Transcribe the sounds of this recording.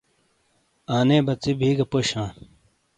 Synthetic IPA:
aːneːbɐt͡sibʱiːɡɐpoɕãː

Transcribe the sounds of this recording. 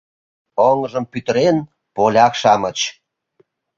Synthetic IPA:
oŋʒə̆mpyt̪əɾen | polʲɑkʃɑmət͡ɕ

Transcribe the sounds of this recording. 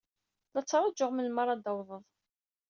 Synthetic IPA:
lɑt͡sːɾˤɑd͡ʒːəʁməlmɑɾˤːɑd̪awðˤəðˤ

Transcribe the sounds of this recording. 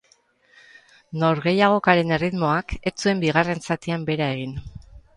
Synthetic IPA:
no̞ɾɣe̞jaɣ̞o̞kaɾe̞ne̞rit̪mo̞ake̞t͡sue̞mbiɣ̞are̞nsat̪iambe̞ɾae̞ɣ̞in

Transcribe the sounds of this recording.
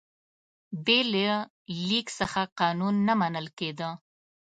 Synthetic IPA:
bele | liksəxaqɑnunːamanəlked̪ə

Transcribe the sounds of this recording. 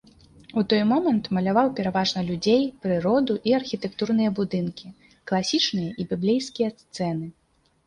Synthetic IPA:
ut̪ɔjmɔmɐnt̪mɐlʲavawpʲɛɾavaʐnɐlʲud͡zʲejpɾɨɾɔd̪uʔiɐrxʲit̪ɛkt̪urnɨjɐbud̪ɨnkʲi | klˠasʲit͡ʂnɨjɐʔibʲiblʲejskʲijɐst̪sɛnɨ

